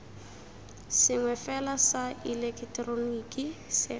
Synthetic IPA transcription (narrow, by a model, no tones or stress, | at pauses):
sɪŋwɛfɛlasailɛkʰtronikʼisɪ